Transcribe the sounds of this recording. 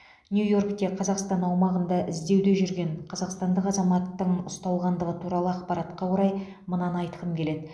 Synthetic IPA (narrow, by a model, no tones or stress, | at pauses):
njujo̞rkt̪e̞qʰɑzɑqst̪ɑnɑwmɑʁənd̪ɑʔɪzd̪e̞wd̪e̞ʒʏɾɡʲe̞ɴqʰɑzɑqst̪ɑnd̪əqɑzɑmɑt̪ːəɴʊst̪ɑlˠʁɑnd̪əʁət̪ʰuɾɑlˠəɑqpɑɾɑt̪qɑwoɾɑj | mənɑnɑjt̪əʁəmkʲʰe̞le̞d̪ɪ